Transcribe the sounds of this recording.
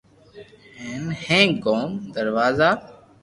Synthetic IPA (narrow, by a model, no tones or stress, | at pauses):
heːnhẽːkoːmd̪əɾʋaːzaː